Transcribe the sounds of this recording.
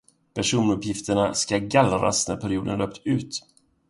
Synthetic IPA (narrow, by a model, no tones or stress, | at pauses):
pʰæʂuːnɵpːjɪft̪əɳaskaɡalɾa̰snæ̰ɾpʰæɾɪuːd̪ə̰nløːp̚t̪ʉ̟ːt̪